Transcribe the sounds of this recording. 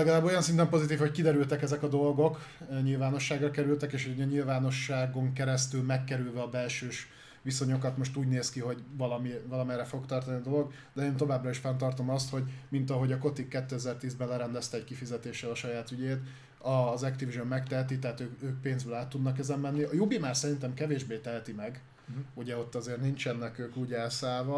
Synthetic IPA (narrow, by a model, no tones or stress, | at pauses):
lɛɡɒlaːbːojɒnsint̪ɛmpo̞zit̪iːfho̞ckid̪ɛɾylt̪ɛkɛzɛkɒd̪o̞lɡo̞kɲilvaːno̞ʃːaːɡrɒkɛɾylt̪ɛkeːʃhoɛɲilvaːno̞ʃːaːɡo̞ŋkɛɾɛst̪ylmɛkːɛɾylvɛɒbɛlʃøːʃ | ʋiso̞ɲo̞kɒt̪mo̞ʃt̪uːɟneːskiɦo̞ɟvɒlɒmivɒlɒmɛɾrɛfo̞kt̪ɒrt̪ɒniɒd̪o̞lo̞ɡ | d̪ɛeːnt̪o̞vaːbrɒiʃfɛnt̪ɒrt̪o̞mɒst̪ho̞ɟmint̪ɒɦo̞ɟɒko̞t̪ikːɛt̪ːøɛzɛrt̪iːzbɛnlɛɾɛnd̪ɛst̪ɛːckifizɛt̪eːʃːɛlɒʃɒjaːt̪yɟeːt̪ | ɒzɛkt̪ivʒommɛkt̪ɛɦɛt̪it̪ɛɦat̪øːkøːk̚peːnzbøːlaːt̪ːud̪nɒkɛzɛmːɛnːiɒjubimaːrsɛɾint̪ɛmkɛveːʒbeːt̪ɛɦɛt̪imɛɡ | uɟɛo̞t̪ːɒzeːrnint͡ʃɛnːɛkøːkuːɟɛlsaːlvɒ